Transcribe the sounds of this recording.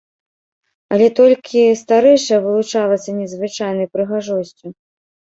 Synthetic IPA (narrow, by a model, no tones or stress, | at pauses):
ɐlʲɛt̪ɔlʲkʲʰist̪aɾɛjʂɐvɨlˠut͡ʂalˠɐt̪sɐnʲɛzvɨt͡ʂajnɐjpɾɨɣaʐɔsʲt͡sʲu